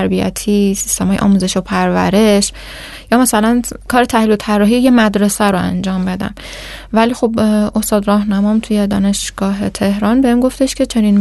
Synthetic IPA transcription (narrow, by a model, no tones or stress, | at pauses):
ɾbiæ̰t̪ʰiːsi̥st̪e̞mɒːjeʔɒ̰ːmuːze̞ʃopʰæɾvæ̰ɾe̞ʃ | jɒːmæsælænkʰɒːɾe̞t̪ʰæhlilot̪ʰærːɒːɦiːjemæd̪ɾe̞sæɾoæ̰nd͡ʒɒːmbe̞d̪æ̰m | væliːxo̞bo̞st̪ɒːd̪ɾɒːhnæmɒmt̪ʰuje̞d̪ɒ̰ːne̞ʃɡ̥ɒːɦe̞t̪ʰe̞hɾɒːnbeiːnɡo̞ft̪e̞ʃcʲʰet͡ʃʰe̞niːn